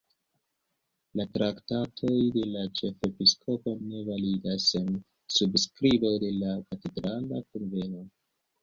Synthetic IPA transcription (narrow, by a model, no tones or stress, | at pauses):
latɾaktatʰo̞jde̞lat͡ʃe̞fe̞piskʰo̞po̞ne̞validasen | subskɾibo̞de̞lakate̞dɾala̰konve̞no̞